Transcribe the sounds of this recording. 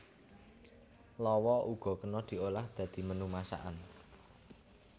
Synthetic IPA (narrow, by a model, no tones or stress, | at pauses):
lɔwɔuɡ̥ɔ̤kənɔd̪̥i̤olahd̪̥ä̤d̪̥i̤mənumasa̰ʔan